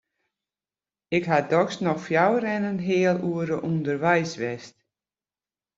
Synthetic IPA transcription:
ɪkɦadɔksnɔxfjawəɾɛnənɦɪəlˠuəɾəʔundərʋɛjsʋɛst

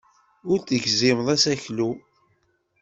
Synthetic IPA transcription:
ʊɾθəʝzɪmðˤæsæçlu

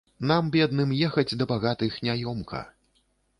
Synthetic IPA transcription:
nambʲɛd̪nɨmjɛxɐd͡zʲd̪ɐbaɣat̪ɨxnʲajɔmkɐ̰

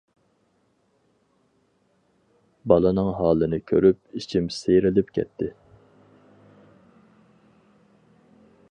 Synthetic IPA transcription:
bɑlˠɨnɨŋɦɑːlˠɨnɨkʲʰø̰ɾyp̚it͡ʃʰimsejɾɪlɪpkʲʰɛ̰t̪ʰːɪ

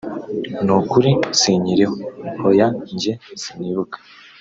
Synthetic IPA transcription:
nukuɾisiɲiɾihohojaɲɟesiniβukḁ

